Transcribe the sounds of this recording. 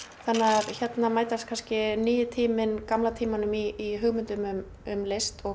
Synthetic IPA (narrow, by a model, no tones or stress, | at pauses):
θanːaðçɛt̪namaːjt̪ast̪kʰanscɪniːjʏt̪ʰiːmɪnkamlat̪ʰiːmanʏmiːɦʏɣmʏnt̪ʏmʏm | ʏmlest̪ɔ